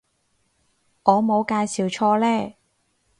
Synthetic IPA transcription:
ŋɔː˨˧mo˨˧wkaː˧jsiː˨˩wt͡ʃʰɔː˧lɛː˥˩

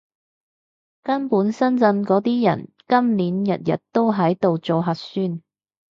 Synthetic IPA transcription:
kɐ˥npuː˨˥nsɐ˥nt͡sɐ˧nkɔː˨˥t̪iː˥jɐ̰˨˩n | kɐ˥mliː˨˥njɐ˨t̚jɐ̰˨t̚t̪o˥wɦɐ˨˥jt̪o˨wt͡so˨˧ɦɐ˨t̚syː˥n

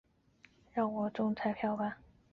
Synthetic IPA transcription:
ɻɑ˥˩ŋwɔ˨˩ʈ͡ʂʊ˥ŋt͡sʰa˥ɪpʰjɑ˥˧ʊpa˥˩n

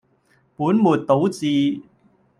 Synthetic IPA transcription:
puː˨˥nmuː˨˩t̚t̪o˨˥wt͡siː˨˧

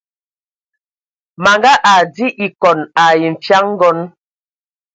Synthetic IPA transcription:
ma˨ŋɡa˦ʔa˨di˦ʔi˨kɔ˨na˨ji˨ɱ̩˨fja˦ŋ˦ɡɔ˦n

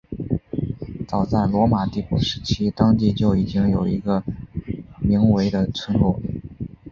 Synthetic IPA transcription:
t͡sɑ˨˩ʊt͡sa˥˩ɪlwɔ˧˥ma˨˩t̪i˥˩pu˥˩ʂɻ̩˧˥t͡ɕʰi˥t̪ɑ˥ŋt̪̬i˥˧t͡ɕjo˥˩ʊi˨˩t͡ɕi˥ŋjo˨˩ʊḭ˧˥ɡə˧ | mi˧˥ŋwe˧˥ɪd̪ə˧t͡sʰwə˥nlɔ˥˩˦

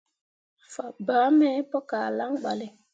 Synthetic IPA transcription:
fa˨baː˨˦mɛ˦pɔ˦kaː˨la˦ŋɡ͡ba˨li˦˨

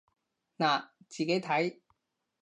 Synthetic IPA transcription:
naː˨˩t͡siː˨ke˨˥jt̪ʰɐ˨˥j

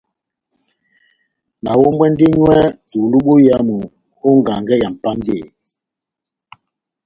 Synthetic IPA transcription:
na˨wo˦m˦wɛ˦n˦de˦ɲwɛ˦tu˨lu˦ɓo˦ja˦mu˨ | ho˦ŋ˨ɡa˨ŋɡɛ˦ja˨m̩˨pa˦ŋ˦ɡe˦˨

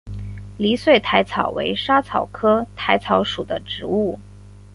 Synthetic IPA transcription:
li˧˥swe˥˩ɪt̪ʰa˧˥ɪt͡sʰɑ˨˩ʊwḛ˧˥ɪʂa˥t͡sʰɑ˨˩ʊkʰɤ˥t̪ʰa˧˥ɪt͡sʰɑ˧˥ʊʂu˨˩d̪ə˦ʈ͡ʂɻ̩˧˥u˥˩

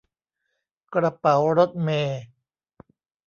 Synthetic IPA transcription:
kɾa˧pa˩˦wɾo˦˥t̪̚meː˧

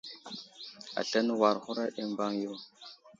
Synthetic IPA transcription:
a̰˨ɬa˦n˦wa˨ɾxu˦ɾa˦ɗe˦mba˦ŋjo˦

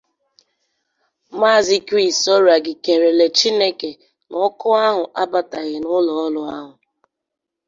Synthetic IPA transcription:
ma˦˨zi˦ki˦˨sɔ˦ɾa˨ɡɪ˨ke˨ɾe˨le˨t͡ʃi˦ne˦ke˨ | nɔ˦kɔ˦a˦ɦʊ˨ʔa˦ba˦ta˨ɣɪ˨nʊ˦lɔ˨ɔ˦lʊ˦a˦ɦʊ˨

